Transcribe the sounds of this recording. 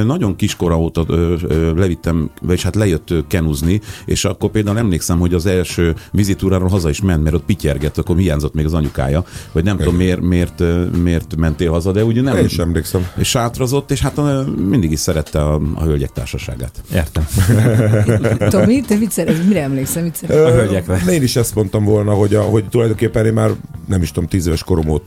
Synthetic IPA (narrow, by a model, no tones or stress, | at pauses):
nɒɟoŋkiʃko̞ɾɒoːt̪ɒølɛvit̪ːɛmʋɛeʃhat̪lɛjøt̪ːøkɛnuzniḛːʃɒkːorpeːld̪aːulɛmleːksɛmho̞ɟɒzɛlʃøːvizit̪uːɾaːɾoːlɦɒzɒiʃmɛnt̪mɛɾo̞t̪̚picɛrɡɛt̪ːɒkːomhijaːɲzo̞t̪ːmeːɡɒzɒɲuka̰ːjɒhoɟnɛmt̪oomːeːrmeːrt̪ːmeːrt̪mɛnt̪eːlɦɒzɒd̪ɛuːɟnɛmiʃɛmleːksɛmeʃaːt̪rɒzo̞t̪ːeːʃhat̪ømind̪iɡiʃsɛɾɛt̪ːɛɒɒ̰ɦølɟɛk̚t̪a̰ːrʃɒʃa̰ːɡa̰ːt̪eːrt̪ɛm | isɛɾmiɾɛmleːksɛsøɦølɟɛkrɛeːniʃɛst̪mo̞nt̪ɒɱvo̞lnɒɦo̞ɟɒɦoɟt̪ulɒjd̪oŋkeːpːɛneːmmaːrnɛmiʃt̪omt̪iːzeːvɛʃko̞ɾo̞mo̰ːt̪